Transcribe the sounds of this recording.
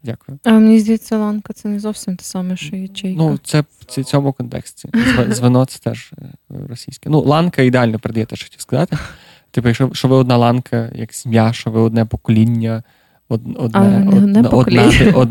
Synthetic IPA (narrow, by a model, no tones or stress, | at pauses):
dʲakʊjʊɐnʲizʲd̪ʲij̪sʲɛlˠɑnkɐt̪sɛnɛzɔwsʲimt̪ɪ̥sɑmɛʃɔjit͡ʃʲɛjnut̪sɛit͡sʲɔmʊkɔnt̪ɛ̰ksʲtʲizʋɪzʲʋɪnɔt̪sɛ̥t̪ɛʒɾɔsʲijsʲkɛnulˠɑnkɐid̪eɑlʲnɔpeɾed̪ɐjɛt̪ɛʃt͡ʃɔ̥xt̪ʲiskɐzɑt̪ɪ | t̪ipʊjɐkʃɔʃɔʋɪɔd̪nɑlˠɑnkʰɐjɐ̰kz̥ʲmʲjaʃɔʋɪɔd̪nɛpɔkɔlʲinʲːɐ | ɔd̪ɔd̪nɔd̪nɛɔdlɛɔd̪